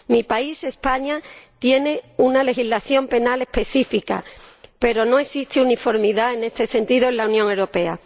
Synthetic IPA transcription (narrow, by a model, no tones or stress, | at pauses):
mipaise̞spaɲat̪je̞ne̞unale̞xizlaθjo̞mpe̞nale̞hpe̞θifika̰pe̞ɾo̞no̞e̞sist̪eunifo̞ɾmiðae̞ne̞st̪e̞se̞nt̪iðoelaunjoŋe̞wɾo̞pe̞a̰